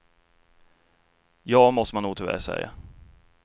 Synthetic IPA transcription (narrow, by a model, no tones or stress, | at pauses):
jɑːmɔst̪əmanːuːɡt̪ʰɪvæ̰ːɾsɛ̰jːa̰